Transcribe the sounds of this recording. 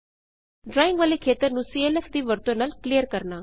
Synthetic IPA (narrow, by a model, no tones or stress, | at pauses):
ɖɾaːɪ̃ŋɡʋaːlekʰeːt̪əɾnũːsiːeːlɛːfʰd̪iːʋəɾt̪õnaːlkliːjəɾkəɾnaː